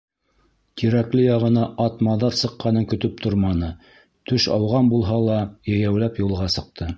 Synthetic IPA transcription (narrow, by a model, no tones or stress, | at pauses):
t̪ʰiɾæklɘjɑʁɤ̆nɑʔɑt̪mɑðɑɾsɤ̆qːɑnɤŋkɵ̆t̪ɵp̚t̪ʰoɾmɑnɤ | t̪ɵʃɑ̰wʁɑnbulˠɦɑlˠɑjɘ̆jæwlæpjulˠʁɑsɤ̆q̚t̪ʰɤ